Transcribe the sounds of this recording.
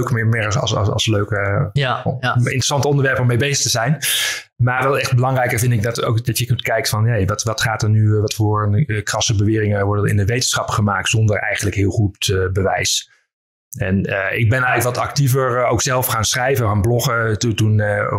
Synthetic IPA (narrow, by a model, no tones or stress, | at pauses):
ɥkmɪmɪɹɑ̰sløɥkə | ɪ̰ntrəsɑntəɔndəʋɛɹpɔmːejbejzəχtəzɛjn | maːɹʋɛlˠɛχd̚bəlɑŋrɛjkəɹvɪndɪɡ̚dɑtowkdɑtjəkntkɛjk̚tfɑnejʋɑtʋɑtχaːtəɹnyʋɑtfʊːɹənkrɑsəbəʋɪːrɪŋəʋɔɹdənɪ̰ndəʋejtənsχɑpχəmaːk̚tsɔndəɹɛ̰jχənləkɦɪːlˠχuttbəʋɛ̰js | ɛnɪɡ̚bɛnɛələkʋɑtɑ̰k̚tivəɹowksɛlˠfχaːnsχrɛjvənanblɔχətutun